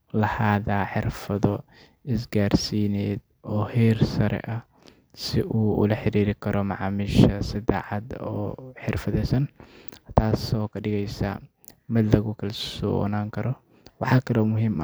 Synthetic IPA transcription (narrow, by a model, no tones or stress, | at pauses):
lɐhaːðaːħɪrfɐðɔ | ɪs̬ɡaːrsiːnɛːd̪̚ | ɔːhiːrsɐɾɛ̰ʔɐ | sɪʔuːʊ̰lɐħɪɾiːɾɪkʰɐɾɔmɑʕɑːmɪʃɐsɪda̰ːħɑd̪ɔ̰ːħɪrfɐðɛːsɐnt̪ʰaːsɔːkʰɐɖɪɣɛjsɐ̰ | mɪd̪lɐɣʊkʰɐlsɔ̰ːnaːŋkʰɐɾɔ | wɑħɑːkʰɐlɔmʊɦiːmɐ̰